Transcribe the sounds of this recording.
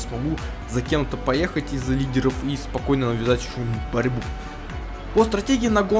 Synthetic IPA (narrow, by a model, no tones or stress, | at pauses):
smɐɡu | zɐkʲe̞mt̪əpɐjexətʲɪzːɐlʲidʲɪɾəfispɐko̞jnənəvʲɪzatʲʂumibɐɾʲbu | pəst̪ɾɐtʲeɡʲɪːnɐɡo